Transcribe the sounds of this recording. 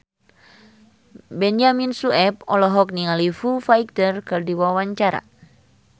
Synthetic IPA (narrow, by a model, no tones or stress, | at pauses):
bɛnd͡ʒaminsuɛp̚ɔlɔɦɔk̚niŋalifufaik̚t̪ərkɨrdiwawaɲt͡ʃaɾa̰